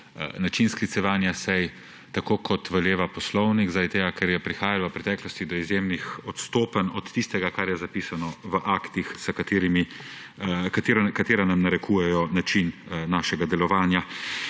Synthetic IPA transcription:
nat͡ʃinsklit̪sɛʋaːnjasɛj | t̪akoːkʰɔt̪ʋɛljeːʋapɔslɔwniɡzad̪t̪eːɡakɛɾjɛpɾixaːjalʋəpɾɛt̪ɛːklɔst̪id̪ɔizjeːmnixɔt̪st̪oːpənɔt̪t̪ːist̪ɛɡakaɾjɛzapiːsanɔʋəʔakt̪ixsəkat̪eːɾimi | kt̪eɾkat̪eːɾanamnaɾɛkʰuːjɛjɔnat͡ʃinnaːʃɛɡad̪ɛlɔʋaːnja

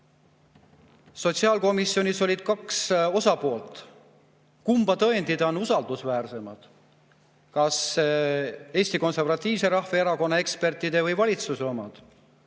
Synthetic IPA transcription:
so̞t̪siɑːlko̞misːjo̞nʲiso̞lʲid̪̥̚kɑkso̞sɑpo̞ːlt̪ˑ | kumb̥ɑt̪ɤe̞nd̪id̪ɑonusɑld̪̥usvæːrse̞mɑd̪̥ | kɑs | e̞ːsʲt̪iko̞nse̞rvɑt̪ˑːiːvse̞ɾɑhveeɾɑko̞nːɑe̞kspe̞rt̪ːˑid̪e̞vɤjvɑlʲit̪susromɑd̪̥

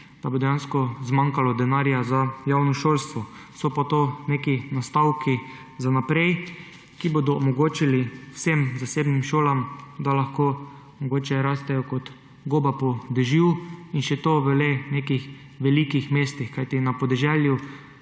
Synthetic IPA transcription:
d̪̥abod̪ɛjanskɔzmãŋkalɔd̪ɛnaɾjazajawnɔʃoːlst̪ʋɔ | sɔpat̪oːneːkinast̪awki | zanapɾɛj | kiboːd̪ɔːmɔɡoːt͡ʃiliwsemzaseːbnimʃoːlamd̪alaxkoː | mɔɡoːt͡ʃɛɾaːst̪ɛjɔkɔt̪ | ɡoːbapɔd̪ɛʒiwinʃɛt̪oʋəleneːkix | ʋɛlikixmeːst̪ixkajt̪inapɔd̪ɛʒɛlju

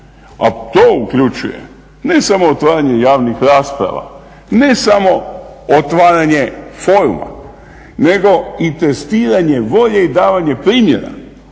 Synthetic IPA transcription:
a̰t̪oːukʎut͡ʃṵjḛ | ne̞samoːt̪ʋaːɾaɲe̞jaːʋnixɾaːspɾa̰ʋa̰ | ne̞samo̞ot̪ʋaːɾaɲe̞fo̞ːɾuma̰ | ne̞ɡo̞it̪e̞st̪iːɾaɲe̞ʋo̞ʎe̞id̪aːʋaɲe̞pɾiːmjeɾa̰

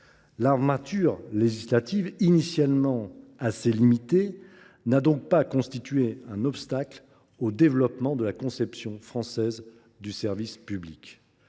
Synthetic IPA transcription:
laʁmat̪yʁleʒislat̪ivinisjalmɑ̃aselimit̪e | nad̪ɔ̃k̚pakɔ̃st̪it̪ɥeɛ̃nɔpst̪akl | od̪evlɔpmɑ̃d̪əlakɔ̃sɛpsjɔ̃fχɑ̃sɛz | d̪ysɛʁvispyblik

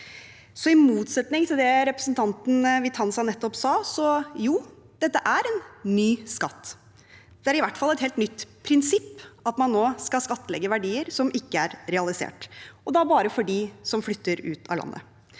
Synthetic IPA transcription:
sɔɪmuːt̪sɛt̪nɪŋt̪ʰɪld̪ɛɾɛpɾəsnt̪ʰɑnt̪n̩ʋɪt̪ʰɑnsɑnɛt̪ːɔpsɑːsɔjuː | d̪̥ɛt̪ːəʔæɾɛnːyːskɑt̪ː | d̪̥ɛæɾɪʋæʈːfɑlːɛt̪ɦeːlt̪nʏt̪ːpʰɾɪnsɪpːɑt̪mɑnːoːskɑskɑt̪ːəlɛ̰ɡːəʋæɖiːəɾsɔmʔɪkːəæɾɾɛɑlɪsḛːʈɔd̪ɑbɑːɾəfɔɖisɔmflʏt̪ːəɾʉːt̪ʰɑ̰lɑ̰nːʔə̰

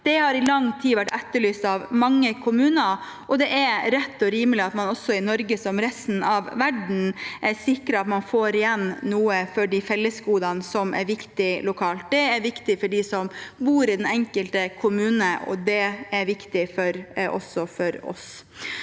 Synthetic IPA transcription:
d̪̥ɛhɑɾɪlɑŋt̪ʰiːʋæʈːæt̪ːəɭyːst̪ɑʋmɑŋːəkʰʊmʉːnə | ʔɔd̪ɛʔæɾɾɛt̪ːɔɾiːməlɪɑt̪mɑnɔsɔɪnɔɾɡəsɔmɾɛst̪n̩ɑʋʋæɖɳ̩ʔæsɪkɾəɑt̪mɑnfoːɾɪjɛnnuːəfɔɖifɛlːəskuːd̪ɑnsɔmʔæ̰ɾʋɪkt̪ɪlʊkʰɑːlt̪̚d̪ɛæɾʋɪkt̪ɪfɔɖisɔmbuːɾɪd̪ɛnɛŋkəlt̪əkʰʊmʉːnəʔɔ̰d̪ɛæɾʋɪkt̪ɪfɔɾʔɔ̰sːɔfɔɾɔ̰s

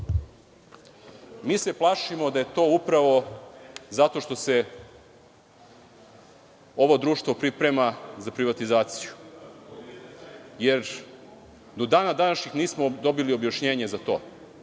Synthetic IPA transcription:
miːse̞plˠaːʃimo̞d̪aje̞t̪o̞ːupɾaʋo̞ | zat̪o̞ʃt̪o̞se̞ | o̞ʋo̞d̪ɾuːʃt̪vʋo̞pɾipɾemazapɾiʋat̪izaːt̪siju | jeɾ | d̪o̞d̪aːnad̪anaʃɲixniːsmod̪o̞bilio̞bjaʃɲeːɲe̞zat̪o̞̰ː

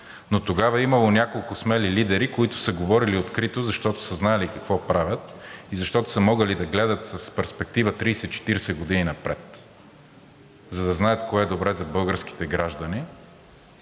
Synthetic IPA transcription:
not̪oɡavɐimɐlˠonʲakolˠkʊsmɛlilid̪ɛɾikoit̪ʊ̥səɡovɔɾiliot̪kɾit̪ozɐʃt̪ɔt̪ʊ̥səznaɛlikɐkvɔpɾavʲjət̪izɐʃt̪ɔt̪ʊ̥sɐmɔɡəlid̪ɐɡlɛd̪ət̪səspɛɾspɛk̚t̪ivət̪ɾijsɛt̪t͡ʃɛ̥t̪iɾɛsɛɡod̪ininɐpɾɛt̪ | zɐd̪ɐznajət̪koɛd̪obɾɛzɐbɤlˠɡəɾsk̟i̥t̪ɛɡɾaʒd̪ɐni

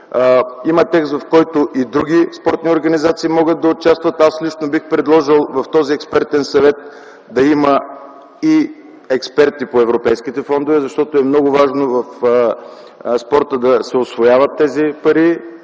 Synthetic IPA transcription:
imɐt̪ɛkst̪vɐfkɔjt̪ʊʔid̪ɾuɡʲispɔɾt̪nioɾɡɐnizat̪siːmɔɡət̪̚d̪ɐot͡ʃast̪vɐt̪aslit͡ʃnobixpɾɛd̪lˠɔʒilˠvɐft̪ɔziɛkspɛɾt̪ɛnsɐvɛt̪ | d̪ɐimə | i | ɛkspɛɾt̪ipoɛvɾopɛjsk̟it̪ɛfɔnd̪ovɛzɐʃt̪ɔt̪oɛmnɔɡʊvaʒnovɐf | spɔɾt̪əd̪ɐsɛosvojavɐt̪ːɛzipɐɾi

